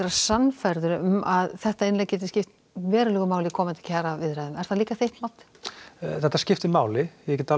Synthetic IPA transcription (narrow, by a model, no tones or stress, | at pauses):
ɾasanfajɾðʏɾʏʏmaðθɛht̪aenlɛɣcɛːt̪ɪscɪft̪ | vɛːɾʏlɛːɣʏmaːwlɪkʰɔːmɪnt̪ɪ̥cʰaːɾavɪðɾɛðʏmɛɾ̥θaliːkaθejht̪mawt̪ɪ̥θɛht̪ːascɪft̪ɪmaːwlɪjɛcɛt̪a